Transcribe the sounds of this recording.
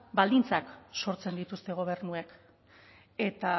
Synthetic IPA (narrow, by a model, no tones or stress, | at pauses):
bald̪int͡sakso̞ɾt͡se̞nd̪it̪ust̪e̞ɣ̞o̞β̞e̞ɾnuek | e̞t̪a